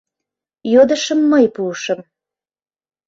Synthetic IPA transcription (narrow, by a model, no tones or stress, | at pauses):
jod̪əʃəmːəjpuʃə̆m